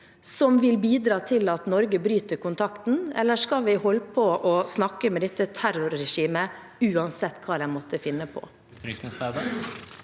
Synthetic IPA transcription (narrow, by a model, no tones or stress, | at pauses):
sɔmʋɪlbiːd̪ɾɑːt̪ʰɪlɑt̪nɔɾɡəbɾyːt̪əɾkʊnt̪ʰɑkt̪n̩ɛ̰lːəʂkɑlʋɪhɔlːpʰɔʔɔsnɑkːəmɛd̪ɛt̪ːət̪ʰæɾʊɾːɛʂiːmə | ʉːɑnsɛt̪ːkʰɑːd̪ɛnmɔt̪ːəfɪnːəpʰɔ̰ | ɾsmɪsæɾd̪ɑ